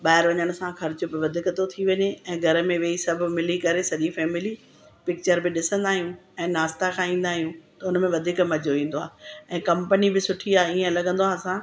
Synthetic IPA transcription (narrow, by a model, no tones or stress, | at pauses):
ɓaːɪɾʋɐɲəɽ̃̆sãxɐɾɪt͡ɕobɪʋɐd̪ʱɪkt̪ot̪ʰiʋɐɲeɛ̃ːɡʱɐɾə̆mẽʋeːisɐbʱmɪlikɐɾesɐʄifɛːmɪli | pɪk̚t͡ɕəɾbɪɗɪsə̃nd̪aːɦijũɛ̃ːnaːst̪akʰãĩːnd̪aːɦijũt̪ɐʊnmẽʋɐd̪ʱɪkmɐd͡ʑʱoʋĩːn̆d̪oaːɛ̃ːkɐ̃mpənibɪsʊʈʰiaːiə̃lɐɠə̃nd̪oaːsã